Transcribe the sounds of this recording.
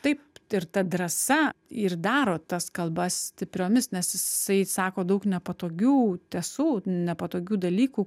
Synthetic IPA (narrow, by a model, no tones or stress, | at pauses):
t̪ɐɪpɪɾt̪ɐd̪ɾɐsɐird̪ɑːɾoːt̪ɐskɐlˠbɐsssʲt̪ʲɪpʲɾʲoːmʲɪsnʲɛsjɪɪsɐɪsɑːkoːd̪ɐʊknʲɛpɐt̪oːɡʲuːt̪ʲɛsuːnʲɛpɐt̪oːɡʲuːd̪ɐlʲiːkuː